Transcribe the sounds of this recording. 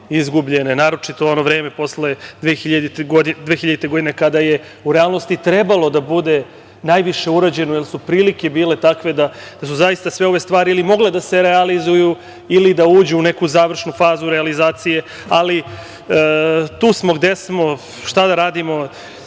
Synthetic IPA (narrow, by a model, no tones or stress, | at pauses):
izɡubʎe̞nenaːɾo̞t͡ʃit̪oonoʋɾe̞ːmepo̞sle̞d̪ʋexiʎad̪it̪ɡod̪id̪eːxiʎad̪it̪eɡo̞d̪inekad̪aje̞ | uɾealˠnost̪it̪ɾe̞balˠo̞d̪abud̪e̞ | najʋiʃe̞uɾad͡ʑe̞nojelˠsupɾiːlike̞biːle̞t̪akʋe̞d̪a | d̪̥asuzajist̪asʋe̞o̞ʋe̞st̪ʋaːɾiilimo̞ɡled̪ase̞ɾealizuju | ilid̪auːd͡ʑuune̞kuzaːʋr̩ʃnufaːzuɾealizaːt̪sije̞ | ali | t̪uːsmo̞ɡd̪e̞smo̞ | ʃt̪ad̪aɾaːd̪imo̞